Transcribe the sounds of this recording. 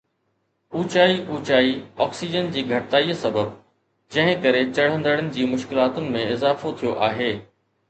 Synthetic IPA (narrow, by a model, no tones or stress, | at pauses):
uːt͡ɕaːiʔuːt͡ɕaːiɔːksid͡ʑənd͡ʑiːɡʱɐʈɪt̪aːiːsɐbəb̚ | d͡ʑɐ̃ɦɪ̃kɐɾet͡ɕɐɽ̤ə̃nd̪əɽənɪ̆d͡ʑiːmʊʃkɪlaːt̪ʊnɪ̆mẽɪzaːfot̪ʰijoʔaːɦeː